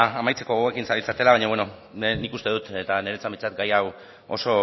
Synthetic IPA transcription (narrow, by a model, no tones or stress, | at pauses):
amajt͡se̞ko̞e̞kinsaɾilt͡sat̪e̞laβaɲoβe̞no̞ | nnikust̪e̞ðut̪e̞t̪ane̞ɾet͡sambit͡sat̪ɡajaw | o̞̰so̞